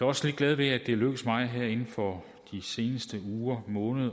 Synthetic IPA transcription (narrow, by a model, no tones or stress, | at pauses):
jɒ̽sle̝d̚ɡ̥lɛð̞ˠʋe̝æd̥e̝løɡ̥əsmɑ̈ɪɦeɐ̰e̝nn̩fɒ̽ | d̥ise̝ːnəsd̥əuːɐmɔ̽ːnəðˠ